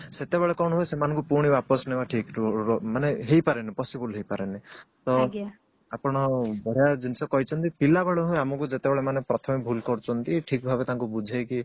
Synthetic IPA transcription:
set̪ebeɭekɔɽ̃ɔɦujsemanɔŋkupuɾɽ̃ibapɔsnebaʈʰikmaneɦejpaɾenepɔsibɔlɦejpaɾenet̪ɔ | apɔɽ̃ɔbɔɽ̤ijad͡ʒint͡ʃʰɔkɔɦit͡ʃʰɔnt̪ipilabeɭɔɦũjamɔkud͡ʒet̪ebeɭemanepɾɔt̪ʰɔmibʱulkɔɾt͡ʃʰɔnt̪iʈʰik̚bʱabet̪aŋkubud͡ʒʱajki

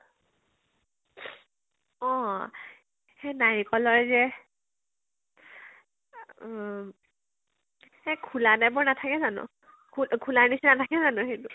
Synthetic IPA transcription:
ɔ̃ | hɛnaɹikɔlɔɹzɛ | ɛkʰulanabʊɹnatʰakɛzanʊ̰̃ | kʰukʰulaɹnisɛnatʰakɛzanʊxetʊ

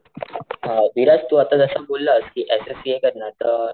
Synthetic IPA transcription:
ɦãʋiɾast̪uat̪ãd͡zəsabolːəskiʔesesiekəɾnat̪ə

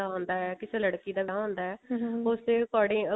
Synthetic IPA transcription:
aːɦõːnd̪aːɦɛːkɪseːləɽkiːd̪aːʋɦõːnd̪aːɛːʊseːkɔːɽẽː

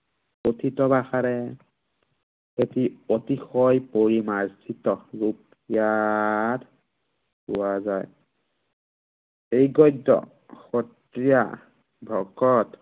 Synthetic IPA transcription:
otʰitɔbaxaɹɛ | etiotixɔjpoɹimazsitɔɹup | ijat | pʊ̰wazaj | ejɡɔjdːɔ̰ | xɔt | ɹija̰ | bʱɔkɔt

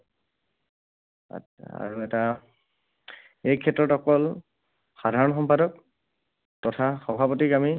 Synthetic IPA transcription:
a̰ɹuɛta | ejkʰɛtːɹɔtɔkɔl | xadʱaɹɔnxɔmpadɔk̚ | tɔtʰaxɔbʱapotiɡami

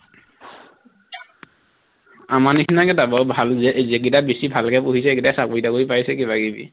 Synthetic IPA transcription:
amanikʰinakɛtabɔbʱalzɛʔzɛk̬itabesibʱalkɛpuɦisɛkitasakoitakoipajsɛkiβaɡibḭ

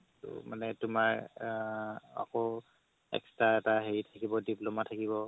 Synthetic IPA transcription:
tṵmanɛtʊmaɹ | a̰kɔ | ɛ̰kstaɛtaɦeɹitʰakibɔdiplomatʰakiβɔ

